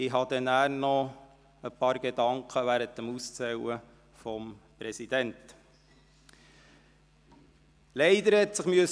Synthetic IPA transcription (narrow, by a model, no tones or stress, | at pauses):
ɪɦɑd̪ɛnæːɾnɔ | əpɑːɾɡ̥edɑŋkχəʋæɾətəmust͡sɛwə | fɔmpɾɛsid̥ɛnt | lɛɪd̪əɾhɛtsəχmyəs